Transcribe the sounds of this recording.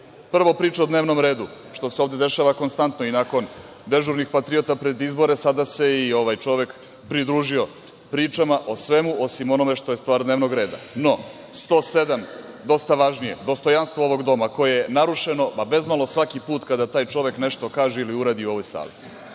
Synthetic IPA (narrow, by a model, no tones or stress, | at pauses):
pr̩ʋo̞pɾiːt͡ʃaod̪neːʋno̞mɾeːd̪u | ʃt̪o̞seo̞ːvd̪e̞d̪e̞ʃaːʋako̞nst̪ant̪noinako̞n | d̪e̞ʒuɾnixpat̪ɾiot̪apɾed̪izbo̞ɾesad̪ase̞io̞ʋaːjt͡ʃo̞ʋe̞k | pɾid̪ɾuːʒio̞ | pɾiːt͡ʃamaʔo̞sʋe̞muʔo̞simo̞no̞me̞ʂt̪o̞jest̪ʋaːɾd̪neʋno̞ɡɾe̞ːd̪a̰no̞ | st̪o̞ːse̞d̪am | d̪o̞st̪aʋaʒnije̞̰d̪o̞st̪o̞janst̪ʋooʋo̞ɡd̪o̞mako̞jejenaɾuʂeno̞pabe̞zmalo̞sʋakipuːt̪kad̪at̪aːjt͡ʃo̞ʋe̞kne̞ʃt̪o̞kaːʒeiliuɾaːd̪iuo̞ʋojsa̰ːlḭ